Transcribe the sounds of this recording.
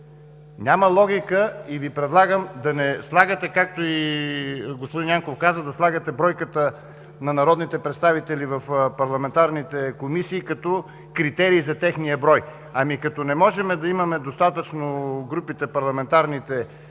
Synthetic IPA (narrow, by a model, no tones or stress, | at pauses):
nʲaməlˠɔɡʲikəivipɾɛd̪lˠaɡəmd̪ɐnɛslˠaɡət̪ɛkak̚t̪oi | ɡospod̪injaŋkofkazəd̪ɐslˠaɡət̪ɛbɾɔjkət̪ə | nɐnɐɾɔd̪nit̪ɛpɾɛt̪st̪avit̪ɛlivɐfpɐɾlˠɐmɛnt̪aɾnit̪ɛkomisiːkɐt̪ɔ | kɾit̪ɛɾiːzɐt̪ɛxnijəbɾɔj | ɐmikɐt̪ɔnɛmɔʒɛmɛd̪ɐimɐmɛd̪ost̪at̪ət͡ʃnoɡɾupit̪ɛpɐɾlˠɐmɛnt̪aɾnit̪ɛ